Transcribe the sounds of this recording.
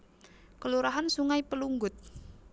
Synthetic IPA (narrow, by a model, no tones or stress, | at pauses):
kəluɾaɦansuŋaipəluŋɡʊt̪̚